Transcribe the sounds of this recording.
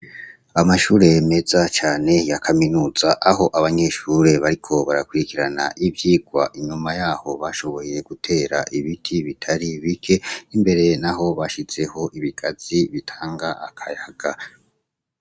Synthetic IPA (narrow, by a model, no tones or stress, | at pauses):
amaʃuːɾe̞jeme̞zat͡ʃaːne̞jakʰaminuːz̥aʔaɦo̞ʔaβaɲe̞ʃuɾe̞βaɾikʰo̞βaɾakwuɾikiɾana̰ʔibjiːɡ̥waʔiɲumajaːho̞βaʃo̞βo̞je̞ɡ̥utʰe̞ːɾaʔiβitʰiβitʰaɾiβikʰe̞imbe̞ɾe̞naɦo̞βaʃiz̥e̞ho̞ʔiβiɡ̥az̥iβitʰaːŋɡaʔakʰajaɡ̥a